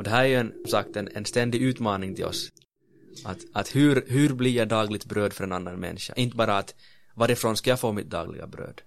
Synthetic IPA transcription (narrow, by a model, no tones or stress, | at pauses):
ɔd̪ɛɦæːɾæɾjɵɛnmsakt̪ɛnɛnst̪ɛnd̪ɪʉ̟ːt̪mɑːnɪŋt̪ʰɪlɔ̰s | ʔat̪at̪hʉ̟ɾɦʉɾblɪjaɡd̪ɑːɡlɪɡ̚t̪̚bɾøːd̪fœɾɛnanːanmɛ̰nːɪʂa̰ʔɪnt̪əbɑːɾaːt̪ | vaɾɪɾfɾoːnskajaːfoːmɪt̪̚d̪ɑ̰ːɡlɪ̰ɡa̰bɾø̰ːd̪̥